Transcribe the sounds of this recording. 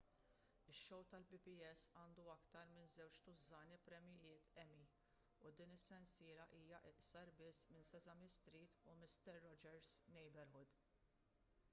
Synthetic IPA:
ɪʃːɔwt̪ɐlbɪpiɛsːɐːnd̪uɐkt̪ɐɾmɪnzɛwt͡ʃt̪ʊzɐːnipɾɛmjɪjɪːt̪ɛmi | ud̪iːnɪsːɛnsɪːɾɐʔiːjɐʔɪʔsɐɾbɪsːmɪnsɛzɐmɪst̪ɾiːt̪umɪst̪ɛɾːɔd͡ʒɛɾznɛjbɛɾhʊd̪

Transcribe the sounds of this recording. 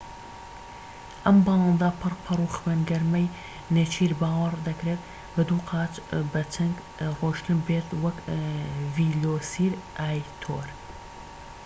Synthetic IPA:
ʔɐmbɑlˠɑːnd̪apʰɨrpʰɐruːxwenɡɐɾmɐj | net͡ʃʰiːɾbaːwɐɾd̪ɐkɾeːt̪ | bɨd̪uːqʰɑːt͡ʃbɐt͡ʃʰɐŋɡ | roːʃt̪ɨmbeːt̪wɐk | viːloːsiːɾʔaːjt̪ʰo̰ːɾ

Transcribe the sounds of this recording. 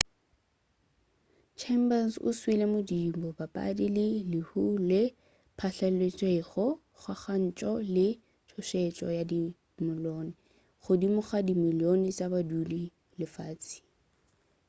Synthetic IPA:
t͡ʃʰɛmbansʊ̰swilemʊdimbɔbapʼa̰dilɪlɪhulɪ | pʰaɬalet͡sʼwɛχɔ | χwaχan̩t͡ʃʼɔlɪ | tʰʊʃɛt͡ʃʼɔ̰jadi | mʊlɔːnɪ | χʊdimʊχadimilionɪt͡ʃʼabadudi | lɪfaːt͡sʼi̥

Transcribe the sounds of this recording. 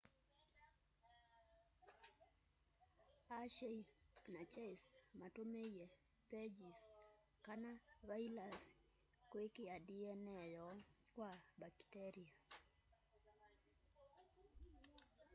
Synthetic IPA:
aʃɛjnat͡ʃɛjsmatomɛjjɛ | pɛd͡ʒis | kanavajlas | kwekiadiɛnɛjɔkwabaktɛɾia

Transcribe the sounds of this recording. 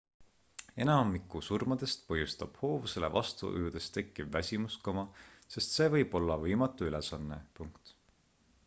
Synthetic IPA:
e̞nɑmikːˑusurmɑd̪̥e̞st̪pɤɦjust̪ɑb̥ho̞ːvuse̞le̞̰vɑ̰st̪ṵʔɯ̰jud̪̥e̞st̪e̞kːˑibvæsʲimuskɑmɑse̞st̪se̞ːvɤ̞jb̥o̞lːɑvɤjmɑt̪ːˑuyle̞sɑnːe̞̰puŋkt̪

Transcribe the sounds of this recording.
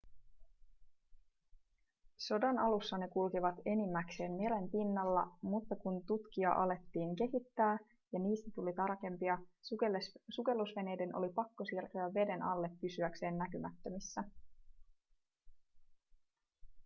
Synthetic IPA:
so̞dɑnɑlusːɑne̞kulkiʋɑt̪e̞nimːækse̞ːnmele̞mpinːɑlːɑmut̪ːɑkunt̪ut̪k̟iɑ̰ʔɑle̞t̪ːiːŋke̞ɦit̪ːæː | jɑniːst̪æt̪ulit̪ɑrke̞mpiɑ | suke̞lːusʋe̞ne̞jde̞nʔo̞̰lipɑkːo̞sirt̪øæʋːe̞de̞nɑlːe̞pːysyækse̞ːnːækymæt̪ːø̞misːæ

